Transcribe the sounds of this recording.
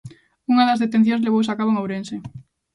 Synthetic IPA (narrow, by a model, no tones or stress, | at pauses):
uŋaðazðet̪en̟θjõŋzleβ̞ows̬akaβ̞oeŋawɾense